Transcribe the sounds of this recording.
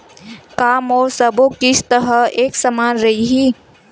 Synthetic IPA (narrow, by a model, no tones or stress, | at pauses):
kaːmɔːɾsəbokɪsʰt̪əɾəeːksəmaːnɾɐɦiɦiː